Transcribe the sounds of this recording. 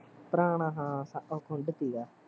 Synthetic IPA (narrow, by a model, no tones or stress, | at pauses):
pɾaːɳãɦãːsãʔokʰʊɳɖt̪iːɡaː